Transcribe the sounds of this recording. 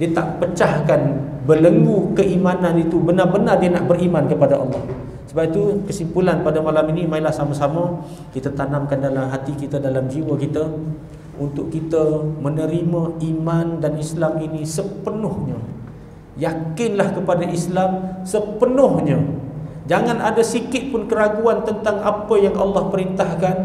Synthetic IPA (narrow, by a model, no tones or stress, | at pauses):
diət̪a̰ʔpət͡ʃahkan | bələŋɡukəʔimananit̪ubənarbənardiənaʔbərimankəpadaʔɑ̰lːɑh | səbapit̪ukəsimpulanpadamalaminimailahsamasama | kit̪at̪anamkandalamɦat̪ikit̪adalamd͡ʒiwəkit̪ə | ʔunt̪ʊʔkːit̪əmənəɾimãimandanislaminisəpənʊhɲə | jakɪnlahkəpadaʔislamsəpənʊhɲə̃d͡ʒaŋanadasikɪt̪̚pʊnkəɾaɡuant̪ənt̪aŋa̰pəjaŋɑ̰lːɑhpəɾint̪ahkan